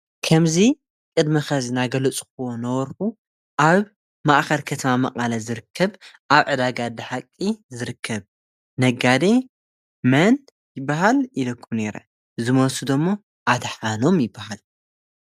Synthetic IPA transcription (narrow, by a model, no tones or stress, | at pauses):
kʰɐmzi | kʼɨd̪mɐxɐzinaɡɐlɐt͡sʼxɨwonɐwɔɾħu | ʔaβ | maʔxɐlkʰɐt̪ʰɐmamɐqʼalɐzɨɾɨkʰːɐβʔaβʕɨd̪aɡad̪ɨħakʼːizɨɾɨkʰːɐβ | nɐɡad̪e | mɐn | jɪbːaɦalilɐkʰːumneɾɐ | zɨmɐsud̪omːo | ʔad̪ħano̞mjɪbːahal